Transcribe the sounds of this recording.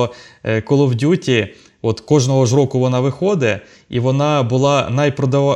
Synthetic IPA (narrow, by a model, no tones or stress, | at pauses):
kɔlˠɔwdʲutʲi | ɔt̪kɔʒnɔɦɔʒɾɔkʊʋɔnɑʋɪxɔd̪ɛ | ḭʋɔnɑbʊlˠɑnɐjpɾɔd̪ɐʋ